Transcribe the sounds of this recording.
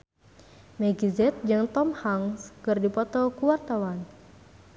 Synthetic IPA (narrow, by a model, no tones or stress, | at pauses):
mɛɡizɛt̪̚d͡ʒɨŋt̪ɔmhaŋskɨrdipɔt̪ɔkuwart̪awan